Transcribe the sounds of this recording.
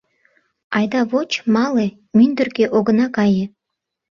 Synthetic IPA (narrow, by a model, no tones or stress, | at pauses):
ɑjd̪ɑβot͡ɕmɑle | mynd̪ə̆rkeʔoɡə̆nɑkɑjĕ